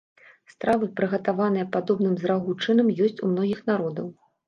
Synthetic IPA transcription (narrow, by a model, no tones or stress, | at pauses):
st̪ɾavɨpɾɨɣɐt̪avanɨjɐpad̪ɔbn̪ɨmzɾaɣut͡ʂɨnɐmjɔsʲt͡sʲumnɔɣʲixnaɾɔd̪ɐw